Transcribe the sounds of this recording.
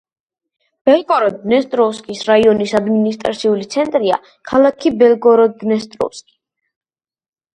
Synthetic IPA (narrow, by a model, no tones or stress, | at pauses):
b̥ɛlˠkʼɔɾɔd̪nɛst̪ʼɾɔskʼisɾaiɔnisad̪minist̪ʼɾa̰t̪sʰiulit̪sʰɛnt̪ʼɾia̰ | kʰalˠakʰibɛlɡɔɾɔd̪nɛst̪ʼɾɔ̰skʼi̥